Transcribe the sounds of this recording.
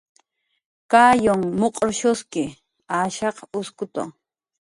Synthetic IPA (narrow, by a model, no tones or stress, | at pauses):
kaːjoŋmoqʼɾʃʊskɪ | aːʃɑqʊskʊt̪o̰